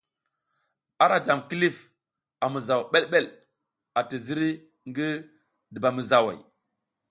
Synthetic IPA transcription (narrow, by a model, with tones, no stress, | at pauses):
a˦ɾa˨d͡ʒa˨mki˦li˦f | a˨mu˨za˨wɓe˦lɓe˦l | a˨ti˨zi˦ɾi˦ | ŋɡi˦ | di˨ba˨mə˨za˨wa̰˨j